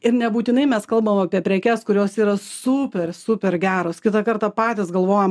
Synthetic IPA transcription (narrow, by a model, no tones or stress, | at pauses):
ɪɾnʲɛbuːt̪ʲɪnɐɪmʲɛskɐlˠbɐʋomɐpʲiɛpʲɾʲɛkʲɛskʊɾʲoːsiːɾɐsuːpʲɛrsʊpʲɛrɡʲæːɾoːskʲɪt̪ɐkɐɾt̪ɑpɑːt̪ʲɪsɡɐlˠʋoːjom